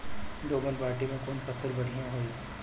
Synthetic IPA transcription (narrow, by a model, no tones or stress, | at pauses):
ɖoːməlpaːɾʈimẽkoːnfɐsəlbɐɽ̤ijãɦoːi